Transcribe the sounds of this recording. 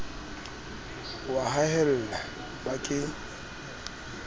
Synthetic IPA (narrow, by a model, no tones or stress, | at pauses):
waɦahɛl̩ːla | bakʼɪ